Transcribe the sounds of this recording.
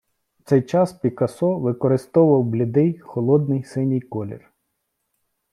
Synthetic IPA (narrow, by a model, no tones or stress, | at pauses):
t̪sɛjt͡ʃɑspʲikɐsɔʋɪkɔɾɪst̪ɔʋɐwblʲɪd̪ɛjxɔlˠɔd̪̚nɪjsɪnʲijkɔlʲḭr